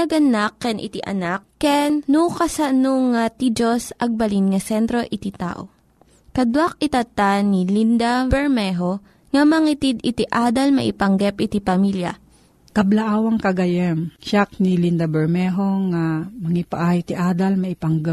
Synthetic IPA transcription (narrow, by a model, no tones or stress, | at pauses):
ɐɡɐnakːɛnʔɪ̰t̪iʔɐ̰nakːɛnnukɐsanoŋat̪id͡ʒosʔɐɡ̚bɐlinŋɐsɛnt̪ɾo̞ʔɪt̪it̪a̰ːʔo̰ | kɐd̪wak̚ɪt̪ɐt̪anilind̪abɛɹmɛɦo | ŋɐmɐŋit̪id̪ɪt̪iʔaːd̪ɐlmɐ̰ʔɪpɐŋɡɛpʔɪt̪ipɐmiljɐ̰ | kɐblɐʔaːwɐŋkɐɡɐjanʃak̚nilind̪ɐbɛɹmɛɦoŋamɐŋɪpaʔajt̪iʔaːd̪ɐlmɐʔɪpaŋɡɛp̚